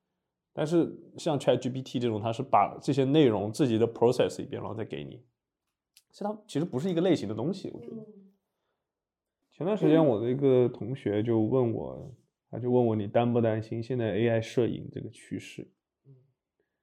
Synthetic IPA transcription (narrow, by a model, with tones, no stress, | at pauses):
t̪a˥˧nʂ̬ɻ̩˥˩ɕjɑ˥˧ŋt͡ɕʰɛ˥t̪̚ʈ͡ʂi˥pʰi˥t̪ʰi˥˧ʈ͡ʂɤ˥˩ʈ͡ʂʊ˨˩ŋt̪ʰa˥ʂɻ̩˥˩pa̰˨˩ʈ͡ʂɤ˥˩ɕ̬ɛ˥ne˥˩ɪɻʊ˧˥ŋt͡sɹ̩˥˩t͡ɕi˨˩d̪ə˦pʰɹo˥sɛ˨˩sḭ˨˩pj̰nɻɑ̰˧˥ŋɔ˨˩t͡sa˥˩ɪke˧˥ɪnḭ˨˩˦ | t̪ʰa˥t͡ɕʰi˧˥ʂɻ̩˧˥pu˧˥ʂɻ̩˥˩i˧˥ɡə˧le˥˩ɪɕi˧˥ŋd̪ə˧t̪ʊ˥ŋɕi˨˩wɔ̰˨˩t͡ɕɥɛ̰˧˥d̪ə˧ | t͡ɕʰɛ˧˥nt̪wnʂɻ̩˧˥t͡ɕjɛ˥nwɔ˨˩d̪ə˦i˧˥ɡə˧t̪ʰʊ˧˥ŋɕɥɛ˧˥t͡ɕjo˥˧ʊwə˥˧nwɔ̰˥˩ | a˥t͡ɕjo˥˧ʊwə˥˩nwɔ˥˩ni˨˩t̪a˥npu˥˩t̪a˥nɕi˥nɕjɛ˥˧nt͡sa˥˧ɪe˥ɪa˥˧ɪʂɤ˥˩ḭ˨˩ŋʈ͡ʂɤ̰˥˩ɡə˩t͡ɕʰy˥ʂɻ̩˥˩